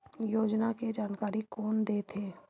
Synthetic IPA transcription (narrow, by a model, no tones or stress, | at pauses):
joːd͡ʒnaked͡ʒaːnkaːɾikɔːnd̪eːt̪ʰeː